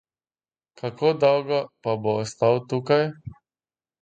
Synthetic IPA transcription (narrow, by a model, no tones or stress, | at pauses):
kʰakoːd̪ɔwɡɔpaboːst̪awt̪ukaj